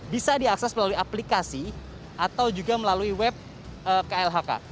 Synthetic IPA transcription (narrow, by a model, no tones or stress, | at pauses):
bisadiaksɛsməlaluiaplikasi | ʔat̪awd͡ʒuɡaməlaluiwɛp̚ | əkaɛlɦaka̰